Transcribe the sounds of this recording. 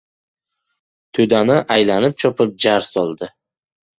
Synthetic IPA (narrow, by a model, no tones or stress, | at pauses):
t̪ʰɵd̪anɪʔajlanɪp̚t͡ʃʰɒpʰɪp̚d͡ʒaɾsɒlˠd̪ɪ